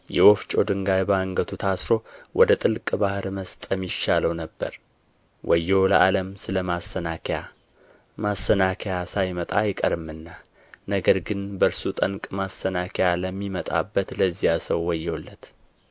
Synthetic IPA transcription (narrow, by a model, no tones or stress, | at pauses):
jɛwoft͡ʃʼo̞d̪ɨŋɡajbaŋɡət̪ʰut̪ʰasɾo̞wʔɔd̪ət̪ʼɨlkʼbahɾməst̪ʼəmːiʃːaləwnəbːə̰ɾ | wʔɔjːolə̰ʔaləmsɨləmasːənakʰja | masːənakʰejasajmət̪ʼajɪkʼəɾɨmɨnːa | nəɡəɾɡɨnbəɾsut̪ʼəŋkʼmasənakʰejaləmːimət̪ʼa̰bːət̪ləzːijasəwːɔjːowlːət̪